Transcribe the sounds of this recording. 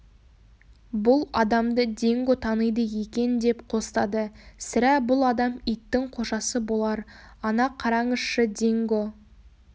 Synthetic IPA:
bʊlˠɑd̪ɑmd̪əd̪e̞ŋɡot̪ʰɑnəjd̪əje̞kʲe̞nd̪e̞pqʰo̞sə̥t̪ɑd̪əsɪɾæbʊlˠɑd̪ɑmijt̪ːɪŋqʰo̞ʃɑsəbo̞lˠɑɾ | ɑnɑqʰːɑɾɑɴəsʃəd̪eŋɡo̞

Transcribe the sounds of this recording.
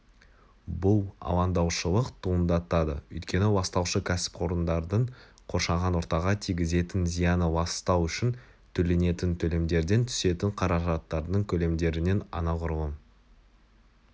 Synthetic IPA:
bʊlˠɑ̰lˠɑnd̪ɑwʃəlˠəqt̪ʰuənd̪ɑt̪ɑd̪ə̰ɵjt̪kʲe̞nɪwɑst̪ɑwʃəkʲʰæsɪ̥pqʰo̞ɾənd̪ɑɾd̪əɴ | qʰo̞ɾʃɑʁɑnwo̞ɾt̪ɑʁɑt̪ʰijɡʲɪze̞t̪ɪnzijɑnəbɑst̪ɑwʏʃɪn | t̪ʰɵle̞ne̞t̪ɪnt̪ʰɵle̞md̪e̞ɾd̪e̞nt̪ʰʏ̥se̞t̪ɪɴqʰɑɾɑʒɑt̪ːɑɾd̪əɴkʲʰɵle̞md̪e̞ɾɪne̞nɑ̰nɑqʊɾʁən

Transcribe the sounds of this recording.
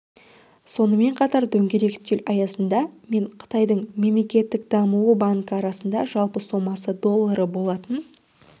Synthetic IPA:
so̞nəme̞ɴqʰɑt̪ɑɾd̪ɵŋɡʲe̞ɾe̞kt̪ːelɑjɑsənd̪ɑme̞ɴqʰə̥t̪ɑjd̪əɴme̞mle̞kʲe̞t̪ːɪkd̪ɑmuwəbaŋkəɑɾɑsənd̪ɑʒɑlˠpəso̞mɑsəd̪o̞lˠːaɾəbo̞lˠɑt̪ən

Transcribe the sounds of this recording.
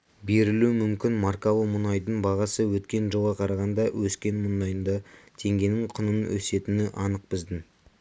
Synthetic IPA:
be̞ɾɪlumʏmkʲɪnmɑɾkɑlˠəmʊnɑjd̪əɴbɑʁɑsəwɵt̪kʲe̞nʒoʁɑqʰɑɾɑʁɑnd̪ɑwɵskʲe̞nmʊnɑjənd̪ɑt̪ʰe̞ŋɡʲe̞nɪŋqʰʊnənwɵse̞t̪ɪnɪʔɑnəq̚bɪzd̪ɪn

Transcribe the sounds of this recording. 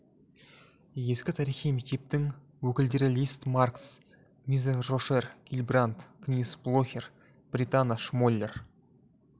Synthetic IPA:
je̞skʲɪt̪ʰɑɾiχijmek̚t̪e̞p̚t̪ɪŋ | wɵkʲɪld̪e̞ɾɪlʲist̪marks | mizeɾːoʃerɡ̥ʲilʲbrant̪ɡ̥nʲisblˠoxʲer | b̥rʲit̪anaʃmolʲːe̞r

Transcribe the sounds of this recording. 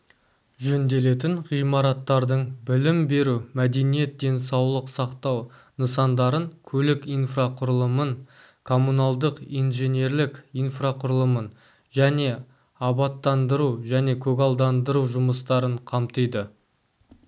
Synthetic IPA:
ʒɵnd̪e̞le̞t̪̬ɪɴʁijmɑɾɑt̪ːɑɾd̪əɴbɪlɪmbe̞ɾumæd̪e̞nije̞t̪̚d̪e̞nsɑwlˠəqsɑqt̪ɑw | nəsɑnd̪ɑɾəŋkʲʰɵlɪkijnfraqʰʊɾlˠəməɴ | kʰo̞munɑlˠd̪əqijnʒe̞nje̞ɾlɪkijnfraqʰʊɾlˠəmən | ʒæne̞ | ɑbɑt̪ːɑnd̪əɾuʒæne̞kʲʰɵɡɑlˠd̪ɑnd̪əɾuwʒʊməst̪ɑɾəɴqʰɑmt̪əjd̪ə

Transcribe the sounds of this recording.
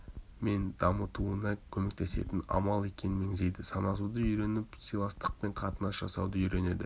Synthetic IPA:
me̞nd̪̥ɑmət̪uənɑkʲʰɵme̞k̚t̪e̞se̞̰t̪ɪnɑ̰mɑlˠe̞kʲe̞nɪnme̞ŋze̞jd̪ɪsɑnɑs̬ud̪əʏjɾe̞nɪpsijlˠɑst̪əq̚pe̞ɴqʰɑt̪ənɑsʒ̥ɑsɑwd̪əʏjɾe̞ne̞̰d̪ɪ

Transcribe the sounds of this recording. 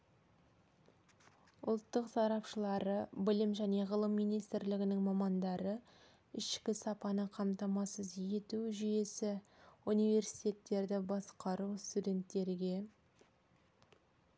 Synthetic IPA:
ʊ̰lˠt̪ːəqsɑɾɑpʃəlˠɑɾəbɪlɪmʒæne̞ʁəlˠəmːijnijst̪ɪɾlɪɡʲɪnɪŋmɑmɑnd̪ɑɾə | ɪʃkʲɪsɑpɑnəqʰɑmt̪ɑmɑsəzje̞t̪uʒʏje̞sɪunijve̞ɾsi̥jt̪ʲe̞t̪ːe̞ɾd̪ɪbɑsqɑɾust̪ud̪ʲe̞nt̪ːe̞ɾɡʲe̞

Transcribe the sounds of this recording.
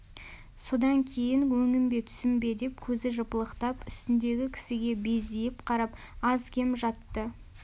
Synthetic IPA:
so̞d̪ɑŋkʲʰe̞jɪŋwɵŋɪmbe̞t̪ʰʏ̥sɪmbe̞d̪e̞pkʲʰɵzɪʒəpəlˠəqt̪ɑpʏst̪ɪnd̪e̞ɡʲɪkʲʰɪ̥sɪɡʲe̞be̞zd̪ejɪpqʰɑɾɑp | ɑzkʲʰe̞mʒɑt̪ːə

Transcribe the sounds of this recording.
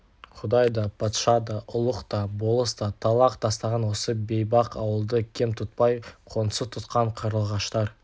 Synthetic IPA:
qʰʊd̪ɑjd̪ɑpʰɑt̪ʃɑd̪ɑʔʊlˠəqt̪ɑbo̞lˠəst̪ɑt̪ʰɑlˠɑqt̪ɑst̪ɑʁɑnwo̞səbe̞jbɑqɑwəlˠd̪əkʲʰe̞mt̪ʰʊt̪̚pɑjqʰo̞nsət̪ʰʊt̪qɑɴqʰɑɾəlˠʁɑʃt̪ɑɾ

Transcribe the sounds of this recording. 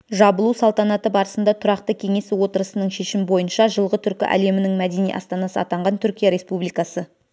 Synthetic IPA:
ʒɑbəlˠusɑlˠt̪ɑnɑt̪əbɑɾəsənd̪ɑt̪ʰʊɾɑqt̪əkʲʰe̞ŋe̞swo̞t̪əɾəsənəɴʃe̞ʃɪmɪbo̞jənʃɑʒəlˠʁət̪ʰʏɾkʲɪ̰ʔæ̰le̞mɪnɪŋmæd̪e̞nijʔɑ̰st̪ɑnɑsəɑt̪ɑɴʁɑnt̪ʰʏɾkʲijaɾe̞spublijkɑsə

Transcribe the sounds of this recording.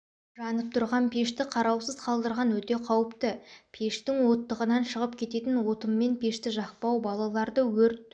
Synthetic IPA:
ʒɑnəp̚t̪ʰʊɾʁɑnpʰe̞ʃt̪ɪqʰɑɾɑwsəzqʰɑlˠd̪əɾʁɑnwɵt̪e̞qʰɑwəpt̪əpʰe̞ʃt̪ɪŋwo̞t̪ːəʁənɑnʃəʁəp̚kʲʰe̞t̪e̞t̪ɪnwo̞t̪əmːe̞npʰʲe̞ʃt̪ɪʒɑq̚pɑwbɑlˠɑlˠɑɾd̪əwɵɾt̪

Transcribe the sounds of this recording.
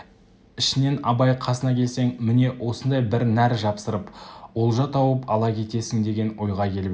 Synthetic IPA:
ɪʃɪne̞nɑbɑjqʰɑsənɑkʲʰe̞lse̞ŋmɪne̞wʔo̞sənd̪ɑjbɪɾnæɾʒɑpsəɾəpwo̞lˠʒɑt̪ʰɑwəpɑlˠɑkʲʰe̞t̪e̞sɪŋd̪e̞ɡʲe̞nwo̞jʁɑkʲʰe̞lɪb

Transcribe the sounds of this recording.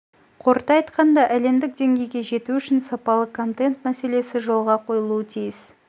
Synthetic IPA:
qʰo̞ɾt̪ɑjt̪qɑnd̪ɑʔæle̞md̪ɪk̚d̪e̞ŋɡʲe̞jɡʲe̞ʒe̞t̪uʏʃɪnsɑpɑlˠəkʰo̞nt̪e̞nt̪mæse̞le̞sɪʒo̞lˠʁɑqʰo̞jəlˠuət̪ʰijɪs

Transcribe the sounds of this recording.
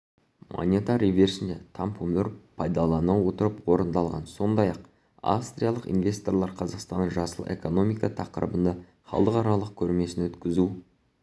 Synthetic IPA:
mo̰nʲet̪aɾive̞ɾsɪnd̪et̪ʰampumʏɾpʰɑjd̪ɑlˠɑnɑwo̞t̪əɾəpwo̞ɾənd̪ɑlˠʁɑ̰nso̞nd̪ɑjɑq | a̰fst̪ɾʲijɑlˠəqḭnvʲe̞st̪o̞rlˠɑɾqʰɑzɑqst̪ɑnəʒɑsəlˠʔe̞̰ko̞no̞mijkɑt̪ʰɑqəɾə̰bənd̪ɑ | χɑ̰lˠəqɑɾɑlˠəq̚kʲʰɵɾme̞sɪnwɵt̪kʲɪzu

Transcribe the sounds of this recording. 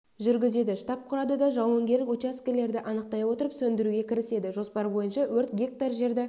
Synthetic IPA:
ʒʏɾɡʲɪze̞d̪ɪʃt̪ɑp̚qʰʊɾɑd̪əd̪ɑʒɑwəŋɡʲe̞ɾlɪkut͡ʃaskʲele̞ɾd̪ɪʔɑnəq̚t̪ɑjwo̞t̪əɾəpsɵnd̪ɪɾuɡʲe̞kʲʰɪɾɪse̞d̪ɪʒo̞spɑɾbo̞jənʃɑwɵɾt̪ɡʲe̞k̚t̪ɑɾʒe̞ɾd̪ɪ

